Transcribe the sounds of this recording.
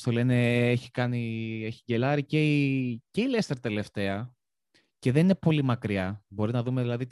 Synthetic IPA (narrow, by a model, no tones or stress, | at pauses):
st̪ole̞ne̞eçi̥kɐnieçiɟe̞lɐɾiceice̞ilest̪eɾt̪e̞le̞ft̪e̞ɐ | ce̞ðe̞ninepo̞limɐkɾiɐbo̞ɾinɐðume̞ðilɐðit̪